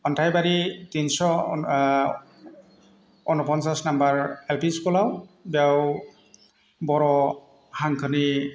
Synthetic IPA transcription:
ɔntʰajbaɹitinsɔ | ɔnɔpɔnsasnambaɹelpiskɔlawbiaw | bɔɹɔ | haŋkʰɯni

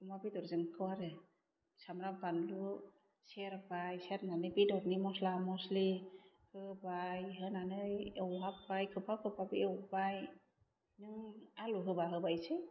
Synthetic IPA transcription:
ɔmabidɔɾzɯnkʰɯwaɾɯ | samɾabanlu | seɾbajseɾnanɯbidɔɾnimɔslamɔsli | hɯbajɦɯnanɯjewɦapːajkʰɯpʰakʰɯpʰabiewbaj | nɯŋaluɦɯbaɦɯbajse

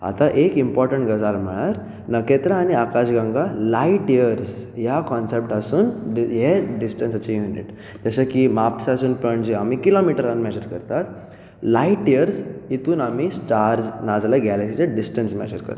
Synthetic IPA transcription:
a̰t̪aʔekimpɔɾʈəɳʈɡəd͡zalm̤əɭaɾ | nəket̪ɾãːñiakaɕɡãŋɡalaiʈijəɾsjakɔnsep̚ʈasuːnɦeɖisʈənsat͡ɕejunḭʈ | d͡ʑəɕakimapsasuːnpəɳd͡ʑeamiːkilomiʈəɾanmɛd͡ʑəɾkəɾt̪at̪ | laiʈijəɾsit̪uːnamiːsʈaɾd͡znad͡zlaɡɛlɛksit͡seɖisʈənsmɛ̰d͡ʑəɾkə̰ɾt̪

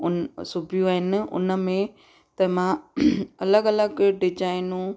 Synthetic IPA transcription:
ʊnsʊbʱijũaːɦɪnɪ̆ʊ̰nə̆mẽ | t̪ɐmãɐləɡɐləɡɖɪd͡ʒaːɪnũ

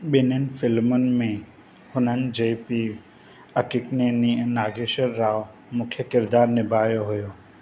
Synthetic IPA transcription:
ɓɪnənfʰɪlmʊnmẽ | hʊnənd͡ʒepi | ɐkɪkneninaːɡeʃəɾːaːʋ | mʊkʰjəkɪɾd̪aːɾnɪbʱaːjoɦʊjoː

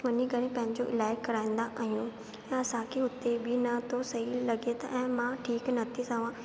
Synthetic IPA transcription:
ʋɐɲikɐɾẽpɐ̃ɦɪ̃ɲd͡ʑoʔɪlaːɪkkːɐɾaːĩn̆d̪aʔaːɦijũ | ɐsãkʰeʊt̪ːebʱinɐt̪ʰosɐɦilɐɡet̪ɐʔɛ̃ːmãʈʰiːknɐt̪ʰisaːʋãː

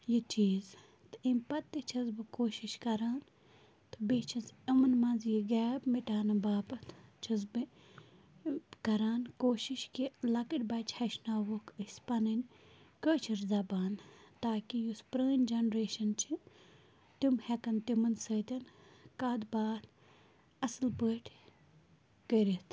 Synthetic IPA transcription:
jit͡ʃiːz | t̪ɨimʲpɐt̪ːit͡ʃʰɐzbɨkoːʃiʃkɐɾaːn | t̪ɨbit͡ʃʰɐzimɐnmɐnzjiɡɛːbmiʈaːnɐbaːpɐt̪ʰt͡ʃʰɐzbɨ | kɐɾaːnkoːʃiʃkilɐkɨʈʲbɐːt͡ʃʰhɐʃnaːʋokɨsʲpɐnɨnʲ | kəːt͡ʃʰiɾzɐbaːnt̪aːkijuspɾəːnʲd͡ʒɐnɾeːʃɐnt͡ʃʰi | t̪umhɛkɐnt̪imɐnsəːt̪ʲɐnkaːd̪baːt̪ | ɐslpəːʈʰʲ | kəɾit̪ʰ

